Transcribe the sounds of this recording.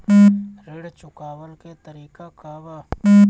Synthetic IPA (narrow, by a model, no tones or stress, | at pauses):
ɾeɽt͡ʃʊkaːwəlket̪əɾiːkakaba